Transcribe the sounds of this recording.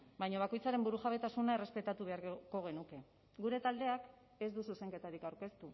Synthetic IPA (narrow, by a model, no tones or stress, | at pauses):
bajɲaβako̞jt͡saɾe̞mbuɾuʝaβe̞t̪asunaere̞spe̞t̪at̪uβ̞e̞aɾko̞ɣ̞e̞nuke̞ | ɡuɾe̞t̪ald̪e̞ak | e̞zd̪ususe̞ŋke̞t̪aɾikawɾke̞st̪u